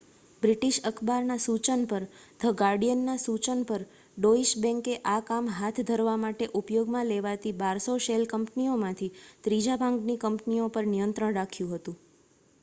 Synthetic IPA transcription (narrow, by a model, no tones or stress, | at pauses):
bɾiʈiʃəkʰbaɾnasut͡ʃənpəɾd̪̥ʱəɡaɾɖijənːasut͡ʃənpəɾ | ɖoiʃbɛ̃ŋkeʔakamɦat̪ʰd̪ʱəɾʋamaʈeʔupjoɡmãleʋat̪ibaɾsoʃelkəmpniomãt̪ʰit̪ɾid͡ʒabʱãŋɡnikəmpniopəɾnijənt̪ɾəɽ̃ɾakʰjũɦət̪ũ